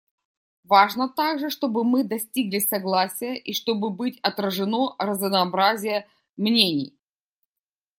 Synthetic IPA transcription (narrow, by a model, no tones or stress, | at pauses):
vaʐnət̪aɡʐɨʂt̪o̞bɨmɨd̪ɐsʲtʲiɡlʲɪsɐɡlˠasʲɪjəʔiʂt̪o̞bɨbɨtʲɐt̪ɾəʐɨnorəzəvnɐːbɾazʲɪjə | mnʲenʲɪj